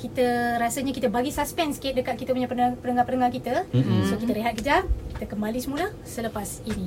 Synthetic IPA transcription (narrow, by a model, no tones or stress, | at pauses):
kit̪əɾasaɲakit̪əbaɡisaspɛnskɪt̪̚dəkat̪̚kit̪əpuɲãpənpənəŋãpənəŋakit̪əsokit̪əɾeɦat̪̚kəd͡ʒaki̥t̪əkəmbalisəmũla | sələpasini